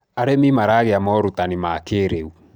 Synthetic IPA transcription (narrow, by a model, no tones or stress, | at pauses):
aɾemimaɾaːɣeamɔɾutanimakeːɾeu